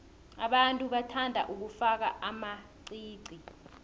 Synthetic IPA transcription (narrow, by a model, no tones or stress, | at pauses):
a̰ɓantʼuɓatʰandʱa̰ʔuk̬ufak̬a̰ʔama | ǀiːǀi